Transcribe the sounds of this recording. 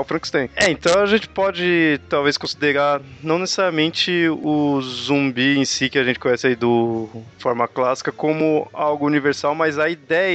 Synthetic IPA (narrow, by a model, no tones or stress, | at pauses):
wfɾɐ̃ki̥st̪ẽj̃ɛẽnt̪ɐ̃w̃ɐʒẽnt͡ʃɪ̥pɔd͡ʒɪt̪awvejskõsid̪eɾaɾnɐ̃w̃nesesaɾiɐmẽnt͡ʃɪʊzũbiẽsikɪɐʒẽnt͡ʃɪkõɲ̃ɛsɪaid̪ʊfɔɾmɐklasi̥kɐkõmʊawɡʊuniveɾsawmajzɐid̪ɛj